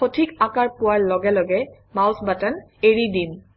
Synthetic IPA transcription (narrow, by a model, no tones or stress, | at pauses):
otʰikakaɹpʊaɹlɔɡɛlɔɡɛ | mawsbataneɹidin